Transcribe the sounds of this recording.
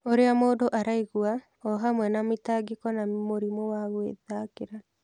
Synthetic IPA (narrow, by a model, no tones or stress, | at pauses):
oɾeamoːndoʔaɾaiɣwa | ɔɦamwɛnametaɡekɔnamoɾimowaɣwḛðakeɾa